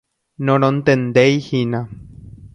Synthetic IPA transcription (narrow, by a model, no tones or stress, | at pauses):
nonont̪end̪ejhina